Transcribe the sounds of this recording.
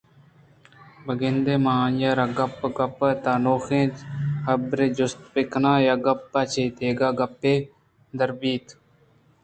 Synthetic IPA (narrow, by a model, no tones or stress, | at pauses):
bəɡɪnd̪eːmãːnjaːɾaːɡəpːɡəpəːt̪aːnoːxẽːhəbɾeːd͡ʒʊst̪̚pɪkʰnãːjaːɡəpːaːt͡ʃʰeːt̪eːɡaːɡəpːeː | d̪əɾbiːt̪